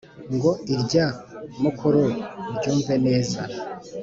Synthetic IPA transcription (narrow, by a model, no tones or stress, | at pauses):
ŋɡoiɾɟamukʰuɾoɾɟuːɱve̞neːza